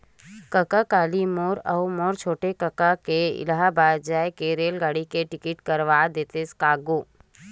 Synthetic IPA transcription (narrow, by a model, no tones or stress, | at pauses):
kɐkakaːlimoːɾɐʊmoːɾt͡ʃʰoːʈekəkakeɪ̰lɦabaːd͡ʒaːjkeɾeːlɡaːɽikeʈɪkɪʈkɐɾʋaːd̪eːt̪eskaːɡoː